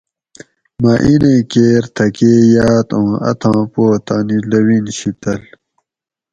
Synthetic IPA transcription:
maʔinẽkeːɾt̪ʰɐkeːjaːt̪õːɐ̰t̪ʰãːpoːt̪aːnilɐwinɕit̪ɐl

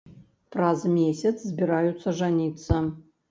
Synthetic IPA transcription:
frazɨmʲesʲɐsʰzbʲɪɾajut̪sʰɐʐanʲit̪sʰɐ

